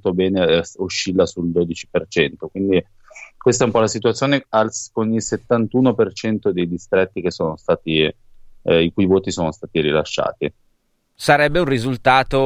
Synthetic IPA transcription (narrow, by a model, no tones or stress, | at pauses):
t̪obɛːneuʃːilːasuld̪oːd̪it͡ʃi̥pert͡ʃɛnt̪okwind̪i | kwest̪aɛumpɔlasit̪uat̪sːjoːnealskonilset̪ːant̪uːnopert͡ʃɛnt̪od̪ejd̪ist̪ɾɛt̪ːik̟esːoːnost̪aːt̪i | ikuːjvoːt̪isoːnost̪aːt̪iɾila̰ʃːa̰ːt̪i | saɾɛbːeunrizult̪aːt̪o